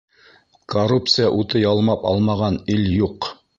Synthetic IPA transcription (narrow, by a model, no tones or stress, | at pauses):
korup̚t̪sɨjaʔut̪ɤjɑlˠmɑpɑ̰lˠmɑʁɑnɘljuq